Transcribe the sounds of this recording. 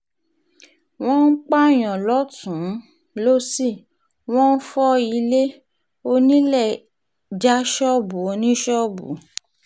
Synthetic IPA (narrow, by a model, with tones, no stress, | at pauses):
w̃ɔ̃˦n̩˦k͡pa˦˨j̃ɔ̃˨lɔ˨˦tũ˨˦ | lo˦si˦˨ | w̃ɔ̃˦n̩˦fɔ˦i˧le˦ | o˧nĩ˦lɛ˦˨ | d͡ʒa˦ʃɔ˦bu˨o˧nĩ˦ʃɔ˦bṵ˨˦